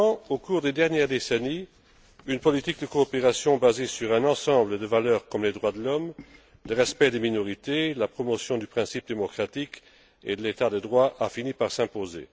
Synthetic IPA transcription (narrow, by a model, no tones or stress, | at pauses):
ɑ̃okuːʁd̪ed̪ɛʁnjɛʁd̪eseni | ynpɔlit̪ik̚d̪əkoːpeʁasjɔ̃bazesyʁɛ̃nɑ̃sɑ̃bləd̪əvalœːʁkɔmled̪ʁwad̪əlɔm | ləʁɛspɛd̪eminɔʁit̪elapχɔmɔsjɔ̃d̪ypχɛ̃sip̚d̪emɔkχat̪ik | ed̪əlet̪ad̪əd̪ʁwaʔafinipaʁsɛ̃pozḛ